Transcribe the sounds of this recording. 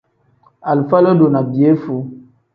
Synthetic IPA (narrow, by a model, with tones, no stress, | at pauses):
a˨lfa˦lɔ˦do˨na˨bi˨e˨˦fu˨˦